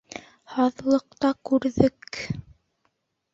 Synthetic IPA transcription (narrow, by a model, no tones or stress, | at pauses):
hɑðlˠɤ̆qt̪ɑkʉɾðɘk